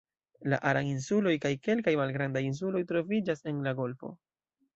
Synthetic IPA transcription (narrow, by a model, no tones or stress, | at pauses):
la̰ʔaɾaŋinsulo̞jkajke̞lkajmalɡɾandajins̬ulo̞jtɾo̞vid͡ʒase̞nlaɡo̞lfo̞̰